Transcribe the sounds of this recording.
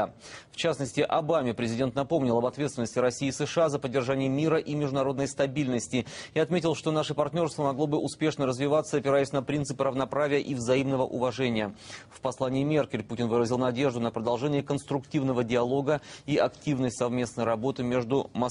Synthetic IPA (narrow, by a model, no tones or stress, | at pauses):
ft͡ɕasnəsʲtʲɪʔɐbamʲɪpɾʲɪzʲɪdʲe̞nt̪nɐpo̞mnʲɪlˠɐbɐt̪vʲet̪st̪ʲɪnəsʲtʲɪɾɐsʲiːsɨʂɨazəpədʲːɪrʐanʲɪjəmʲiɾəʔimʲɪʐd̪ʊnɐɾo̞d̪nəjst̪ɐbʲilʲnəsʲtʲɪiɐt̪mʲetʲɪlˠʂt̪o̞naʂɨpɐrtʲnʲo̞rst̪vəmɐɡlˠo̞bɨʔʊspʲe̞ʂnəɾəzvʲɪvat̪sːəɐpʲɪɾajʉsʲnəpɾʲint̪sɨpɨɾəvnɐpɾavʲɪjəʔivzɐimnəvəʔʊvɐʐɛnʲɪjəfpɐslˠanʲɪːmʲe̞rkʲɪlʲputʲɪnvɨɾəzʲɪlˠnɐdʲe̞ʐd̪ʊnəpɾəd̪ɐlˠʐɛnʲɪjəkənst̪ɾʊktʲivnəvədʲɪɐlˠo̞ɡəiɐktʲivnəjsɐvmʲe̞snəjɾɐbo̞t̪ɨmʲeʐd̪ʊmɐ